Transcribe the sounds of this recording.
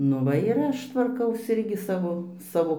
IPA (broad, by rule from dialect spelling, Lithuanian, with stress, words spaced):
ˈnʊ ˈʋɐ ɪr ˈɐʃ tʋɐrˈkɐʊs ˈɪrʲɡʲɪ ˈsɑːʋoː ˈsɑːʋoː